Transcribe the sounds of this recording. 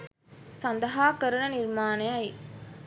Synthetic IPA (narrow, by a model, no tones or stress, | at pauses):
sɐnd̪ɐɦaːkəɾunɐniɾmaːnɐjɐj